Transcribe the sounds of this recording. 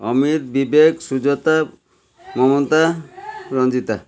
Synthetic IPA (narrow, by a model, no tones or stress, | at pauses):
ɔmiɾbibeksud͡ʒɔt̪a | mɔmɔnt̪aɾɔnd͡ʒit̪a